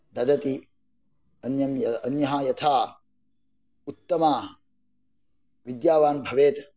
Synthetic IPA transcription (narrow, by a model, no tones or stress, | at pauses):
d̪ɐd̪ɐt̪i | ɐnjɐmjɐɐnjɐɦɐjɐt̪ʰaː | ut̪ːɐmaː | ʋid̪jaːʋaːnbʱɐʋeːt̪